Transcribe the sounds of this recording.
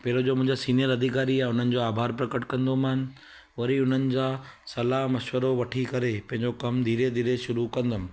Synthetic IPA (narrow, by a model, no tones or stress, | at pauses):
pɐɦɾod͡ʑoːmʊ̃ɪ̃d͡ʑasiːnijəɾɐd̪ʱikaːɾiãʊn̤ənɪ̆d͡ʑoaːbʱaːɾpɾɐkəʈkɐ̃nd̪omaːn̆ | ʋɐɾiʊn̤ənɪ̆d͡ʑaːsɐlaɦmɐʃʋəɾoʋɐʈʰikɐɾepɐ̃ɦɪ̃ɲd͡ʑokɐmd̪ʱiːɾed̪ʱiːɾeʃʊɾukɐ̃nd̪əmɪ̆